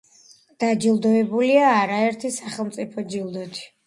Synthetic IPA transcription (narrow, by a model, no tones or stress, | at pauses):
d̪̥ad͡ʒilˠd̪ɔɛbuliaːɾaɛɾt̪ʰisaχɛlˠmt̪sʼipʰɔd͡ʒilˠd̪ɔt̪ʰi̥